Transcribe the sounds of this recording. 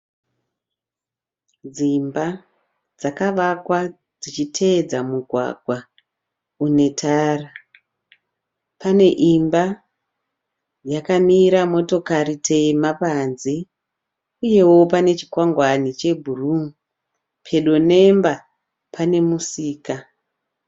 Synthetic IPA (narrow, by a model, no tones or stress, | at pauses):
d͡zimba | d͡zakaʋakwa | d͡zit͡ʃitʰe̞d͡zamuɡʱwa̰ɡʱwa | une̞tʰaːra | pane̞ʔimba | jakamiɾamo̞to̞karitʰe̞mapanzi | uje̞wo̞pane̞t͡ʃi̥kwaŋɡwanit͡ʃe̞bʱurum | pʰe̞ɗo̞ne̞mba | pane̞musiːka